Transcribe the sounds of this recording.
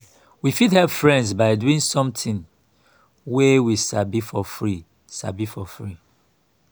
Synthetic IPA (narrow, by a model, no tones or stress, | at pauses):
wifidhɛpfɹɛ̃ndsbaɪduĩŋsɔ̃mtĩn | wɛwisabifɔfɹi | sabifɔfɹi